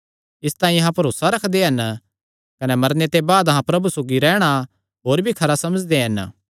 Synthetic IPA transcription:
ɪst̪aːĩɐɦãpɐɾoːsaɾɐkʰd̪eɦɐn | kɐnɛmɐɾnet̪ebaːd̪ɐɦãpɾɐbusoːɡiɾɛːɽ̃a | ɦoːɾbʱikʰɐɾasɐməd͡ʒd̪eɦɐn

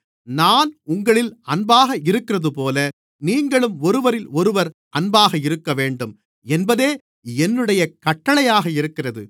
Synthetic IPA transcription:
naːnʊŋɡɐɭɪlɐnbaːɣɐɪɾɯkːɪrɐðɯpoːlɐ | niːŋɡɐɭɯmɔɾɯʋɐɾɪlɔɾɯʋɐɾʔɐnbaːɣɐɪɾɯkːɐʋeːɳɖɯm | ɛnbɐðeː | ɛnːɯɽɐjɐkɐʈːɐɭɐjaːɣɐɪɾɯkːɪrɐðɯ

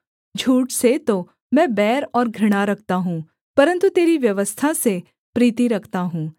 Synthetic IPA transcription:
d͡ʒʱuːʈset̪o | mɛ̃ːbɛːɾɔːɾɡʱɾɪɽ̃aɾɐk̚ʰt̪aɦũː | pɐɾə̃nt̪ut̪eːɾiʋjɐʋəst̪ʰase | pɾiːt̪iɾɐkʰt̪aɦũː

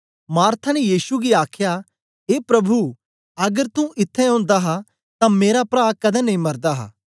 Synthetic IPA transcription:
maːɾt̪ʰanɛjiːsuɡiaːkʰja | ɦeːpɾɐbʱu | ɐɡəɾt̪ũʔɪt̪ʰːɛɦõːnd̪aɦa | t̪ãmeːɾapɾaːkɐd̪ɛ̃nɐ̃ɦĩmɐɾd̪aɦa̰ː

